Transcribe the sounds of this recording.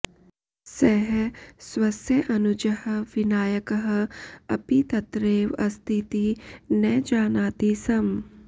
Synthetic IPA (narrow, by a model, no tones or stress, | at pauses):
sɛɦswɐsjɐʔɐnud͡ʒɐhɐ̆ʋinaːjɐkɐɦɐ̆ɐpit̪ɐt̪ɾeːʋɐst̪ʰit̪inɛːd͡ʒaːnaːt̪isɐm